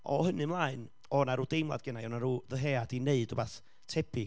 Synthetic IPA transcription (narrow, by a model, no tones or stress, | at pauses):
ɔ̰hənɨmlˠaːɨn | ɔnaɾuːdejmlˠa̰dɡənajɔnaɾuːðəɦeːadineɨdɔbaθ | tʰɛbɪ